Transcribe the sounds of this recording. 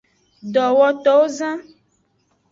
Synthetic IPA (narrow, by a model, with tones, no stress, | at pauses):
ɖɔ˨wɔ˦t̪ɔ˦wo˦zã˦